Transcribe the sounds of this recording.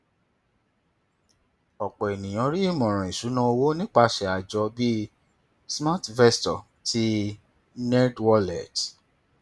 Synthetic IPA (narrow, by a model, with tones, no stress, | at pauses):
ɔ˨k͡pɔ˨e˨nĩ˨j̃ɔ̃˨˧ɾi˦i˦˨mɔ̃˨ɾ̃ɔ̃˨ĩ˨su˨˦nã˦o˧wo˦nĩ˦k͡pa˧ʃɛ˨a˨d͡ʒɔ˧bi˦ | sma˦tvɛ˦stɔ˨ | tʰi˦ | nɛ˦dwɔ˦lɛ˨t